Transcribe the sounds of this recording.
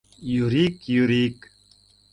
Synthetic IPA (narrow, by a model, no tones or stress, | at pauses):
juɾiːkjuɾiːk